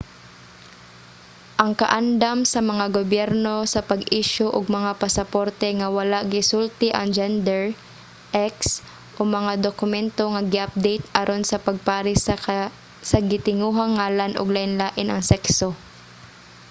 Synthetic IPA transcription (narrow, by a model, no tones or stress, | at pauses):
ʔɐŋkɐʔand̪amsɐmɐŋaɡobjɛɾno̞sɐpɐɡʔiːʃoʔʊɡmɐŋapɐsɐpoɾt̪ɛŋɐwɐlaʔɡɪsult̪ɪʔɐ̰ŋd͡ʒɛnd̪ɛɹ | ʔɛks | ʔomɐŋad̪okʊmɛnt̪o̞ŋɐɡɪʔɐp̚d̪ejt̪ʔɐɾʔonsɐpɐɡ̚paːɾɪs | sɐɡɪt̪ɪŋuːɦɐŋːaːlɐnʔo̰ɡlaʔɪnlaːʔɪnɐŋsɛkso